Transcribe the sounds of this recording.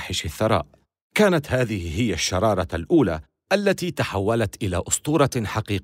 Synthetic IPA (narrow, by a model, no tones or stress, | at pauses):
ħɪʃaθːɑɾˤɑ̰ːʔ | kaːnat̪haːðɪhɪɦɪjːaʃːɑɾˤɑːɾˤɑlʔuːlaː | ʔalːat̪iːt̪aħawːalat̪ʔɪla̰ːʔʊst̪ˤuːɾˤɑħaqiːq